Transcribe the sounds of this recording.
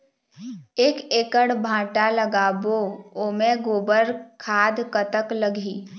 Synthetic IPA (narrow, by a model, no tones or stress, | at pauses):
eːkeːkəɽbʱãːʈaləɡaːbooːmẽɡoːbəɾkʰaːd̪kət̪əkləɡʱiː